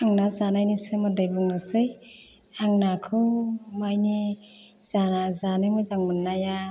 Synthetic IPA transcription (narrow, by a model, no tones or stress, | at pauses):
aŋnazanajnisɯmɯd̪ɯjbɯŋnɯsɯj | aŋnakʰɯmajni | z̥anazanɯjmɯjzaŋmɯnːaja